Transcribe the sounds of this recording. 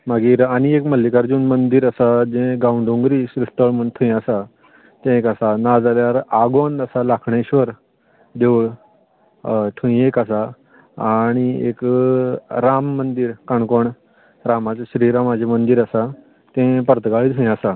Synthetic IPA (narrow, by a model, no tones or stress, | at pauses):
maɡiːɾaɽ̃iekməlːikaɾd͡ʑuːnmənd̪iːɾasad͡zẽɡauɳɖõŋɡɾiːsɾist̪əɭməɳt̪ʰũĩasa | t̪ẽekasanad͡zaljaɾaɡond̪əsalakʰɳeɕʋəɾ | d̪eʋɭ | ʈ̪ʰũĩekəsa | aɽ̃iḛk | ɾamːənd̪iːɾkaɳkoɳ | ɾamat͡saɕɾiɾamad͡ʑʱemənd̪iːɾəsa | t̪ẽpəɾt̪əɡaɭit̪ʰũĩasa